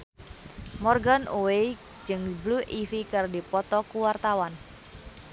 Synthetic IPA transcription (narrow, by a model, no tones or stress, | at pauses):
mɔrɡanʔuwe | d͡ʒɨŋbluʔifikɨrdipɔt̪ɔkuwart̪awan